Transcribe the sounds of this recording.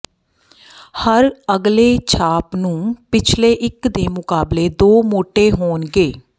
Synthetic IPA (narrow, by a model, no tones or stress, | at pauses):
həɾəɡleːt͡ʃʰaːpnũːpɪt͡ʃʰleːʔɪkd̪eːmʊkaːbleːd̪oːmoːʈeːɦoːnɡeː